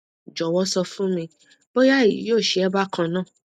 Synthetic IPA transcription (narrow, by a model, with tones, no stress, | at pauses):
d͡ʒɔ˨wɔ˦sɔ˧fũ˦mĩ˧ | b̥o˦ja˦˨ḭ˨joː˦˨ʃe˧ɛ˦ba˦kʰã˧nãː˦˨